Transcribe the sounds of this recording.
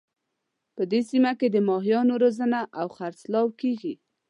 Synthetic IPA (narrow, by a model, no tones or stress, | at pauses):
pəd̪esimaked̪əmɑɦjɑnoɾozənaʔawxaɾslɑwkeɡi